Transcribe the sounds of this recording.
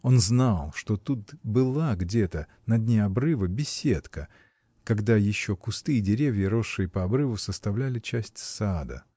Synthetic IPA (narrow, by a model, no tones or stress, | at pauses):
o̞nznalˠʂt̪o̞t̪ut̪bɨlˠaɡdʲe̞t̪ə | nɐd̪ʲnʲeɐbɾɨvəbʲɪsʲet̪kə | kɐɡd̪ajɪɕːo̞kʊst̪ɨɪdʲɪɾʲevʲjəɾo̞ʂːɨjəpəɐbɾɨvʊsəst̪ɐvlʲælʲɪt͡ɕæsʲtʲsad̪ə̰